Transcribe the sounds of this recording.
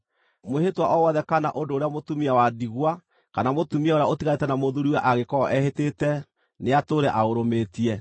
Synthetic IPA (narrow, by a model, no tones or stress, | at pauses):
mwehetwaʔɔwɔðɛkanaʔondoːɾeamotumiawadiɣwa | kanamotumiɛoɾeaotiɣaetɛnamoðuɾiwɛʔaɣekɔɔʔɛhetetɛ | neatoɾɛʔaoɾometiɛ